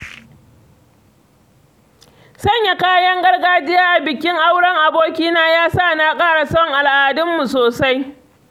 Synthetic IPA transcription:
sɐ˦˨ɲja˨kaː˦jɐ˦ŋɡɐ˦rɡaː˦d͡ʒɪ˦jaː˦ʔa˨bɪ˨kʲɪ˦ŋʔa˦wɽɐ˦ŋʔa˨boː˦kʲiː˦naː˦jaː˦sa˦˨naː˦kʼaː˦˨ɽa˨sɐ˦ɔ˨ŋʔa˨lʔaː˨dʊ˦mːu˨soː˨sa˦j

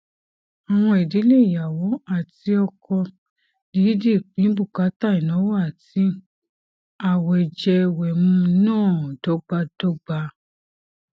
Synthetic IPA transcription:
a˨w̃ɔ̃˧i˨di˨˦le˦˨i˨ja˨wɔ˨˦a˦˨ti˧ɔ˧kɔ˧ | di˨˦di˦˨k͡pĩ˨˦bu˦˨ka˨˦ta˦˨ĩ˨nɔ̃˨˦wɔ˦a˦˨ti˧˦ | a˨wɛ˨d͡ʒɛ˧wɛ˨mũ˧nãː˦˨d̥ɔ˨˦ɡ͡ba˧d̥ɔ˨˦ɡ͡ba˧

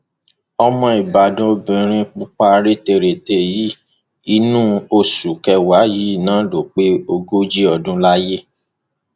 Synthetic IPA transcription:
ɔ˧mɔ̃˧i˨ba˨dũ˦˧bĩ˧ɾ̃ĩ˦k͡pu˦k͡pa˦ɾe˦te˧˨ɾe˨te˨ji˦ | i˧˦nũ˦o˧su˨kɛ˧wa˨˦ji˦˨nãː˨˦lo˨k͡pe˦o˧ɡo˦d͡ʒi˦ɔ˧˨dũ˦la˦je˦

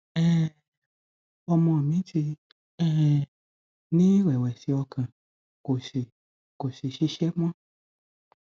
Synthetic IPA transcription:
ɛ˦˨ | ɔ˧mɔ̃˧˨mĩ˨˦ti˧ | ɛ˦˨ | nĩ˦wɛ˨wɛ˨si˧ɔ˧kã˨ | ko˨si˨ | ko˨ʃi˨ʃi˧ʃɛ˦m˦ã˦

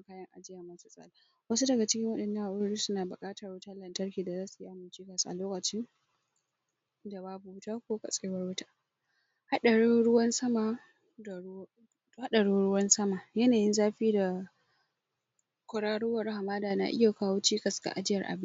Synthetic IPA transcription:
kaː˦jɐ˦ŋʔa̰˨d͡ʒɪ˦ja˨mɐ˦su˦sʼa̰ː˨˦la˨ | wɐ˦su˦dɐ˨ɡa˨t͡ʃɪ˦kʲɪ˦ŋwɐ˦ɗɐ˨nːɐ˦ŋʔa˨ʔʊ˦ɽiː˦sʊ˦naː˨bʊ̰˨kʼaː˦tɐ˨rwʊ˦taː˦lɐ˨ntɐ˦rkʲiː˨da˨zaː˦su˨ji˦ʔa˨mːɪ˨nt͡ʃiː˦kɐ˨sʔa̰˨loː˦kɐ˨t͡ʃɪ˦n | da˨baː˦bu˨wʊ˦taː˦kʷoː˦kɐ̰˨sʼeː˦wɐ˦rwʊ˦taː˦ | ha˦ɗɐ˨ɽu˦ɾʊ˦wɐ˦nsɐ˦ma˨˦˨ | ha˦ɗɐ˨ɽu˦ɽʊ˦wɐ˦nsɐ˦ma˨jɐ˦naː˨jɪ˦nzaː˦ɸiː˦da˨ | kʷʊ˨ɽaː˦ɽʊ˦wɐ˨ɾha˨maː˦daː˨na̰ː˨ʔɪ̰˦ja˨kaː˦woː˦t͡ʃiː˦kɐ˨sɡa̰˨ʔa˨d͡ʒɪ˦jɐ˨rʔa̰˨bɪ˦

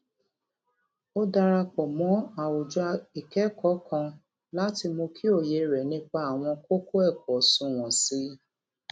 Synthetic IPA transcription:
o˦da˧ɾa˧k͡pɔ˨mɔ̃˨˦a˨wo˨d͡ʒu˨˦a˧i˨kɛ˦kɔ˨˦kʰã˧ | la˦ti˧mo˧kʰi˦o˦˨je˧ɾɛ˨nĩ˦k͡pa˧a˨w̃ɔ̃˧ko˦ko˦ɛ˦˨kɔ˨sũ˧w̃ɔ̃˨si˨˦

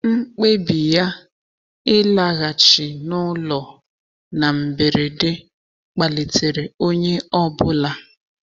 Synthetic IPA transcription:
ŋ͡m̩˦k͡pe˦bi˨ja˦ | ɪ˦la˨ɣa˨t͡ʃɪ˨nʊ˦lɔ˨ | na˨m̩˨be˨ɾe˨dɪ˦ | k͡pa˨le˨te˨ɾe˨o˦ɲe˦ɔ˦bʊ˦la˦

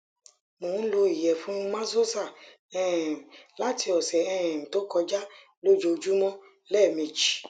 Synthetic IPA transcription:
mo˨˦n̩˦lo˧i˨jɛ˨fũ˨˦mã˦zo˦sa˦˨ | ɛ̃˨la˨˦ti˧ɔ˨sɛ˨ɛ̃˨ɛ̃˨to˨˦kɔ˧d͡ʒa˦ | lo˦d͡ʒo˧d͡ʒu˦mɔ̃˦ | lɛ˦˨mẽ˨d͡ʒi˨

